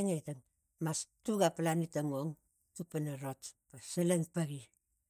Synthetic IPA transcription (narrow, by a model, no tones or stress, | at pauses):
ŋetaŋ | mastuɡapalanitaŋoŋ | tupanaɾotpasalaŋpaɡi